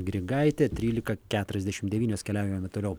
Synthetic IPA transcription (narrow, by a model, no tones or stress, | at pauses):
ɡɾʲɪɡɐɪt̪ʲet̪ʲɾʲiːlʲɪkɐkʲæːt̪ʊɾʲɛzd̪ʲɛʃʲɪmd̪ʲɛʋʲiːnʲoːskʲɛlʲæˑʊjɪmoːmʲɛt̪oːlʲɛʊ